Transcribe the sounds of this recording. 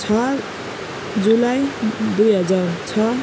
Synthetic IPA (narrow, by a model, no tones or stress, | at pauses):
t͡sʰʌ | d͡zulajd̪ujɦʌd͡zart͡sʰʌ